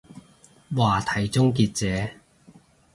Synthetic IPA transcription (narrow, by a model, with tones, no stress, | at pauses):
waː˨˩t̪ʰɐ˨˩jt͡sʊ˥ŋkiː˧t̚t͡sɛː˨˧˦